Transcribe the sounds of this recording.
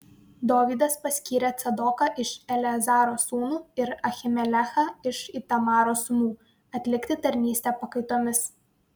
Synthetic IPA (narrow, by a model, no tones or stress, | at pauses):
d̪oːʋʲiːd̪ɐspɐsʲkʲiːɾʲɛt̪sʲɐd̪ɔkɑʔɪʃɛlʲɛzɑːɾoːsuːnuːɪɾɐxʲɪmʲɛlʲæxɑɪʃit̪ɐmɑːɾoːsʊnuː | ɐt̪ʲlʲɪkt̪ʲɪt̪ɐɾʲnʲiːsʲt̪ʲɛːpɐkɐɪt̪oːmʲɪs